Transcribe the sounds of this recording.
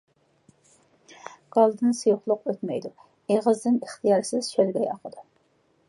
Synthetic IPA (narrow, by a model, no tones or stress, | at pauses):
ɡ̥ɑlˠd̪ɨnsɨjuχlˠʊqøt̪mɛjd̪u | eʁəzd̪ɪnəχt̪ʰijɑɾsɪz̥t͡ʃʰølɡʲɛjɑqʰəd̪̥u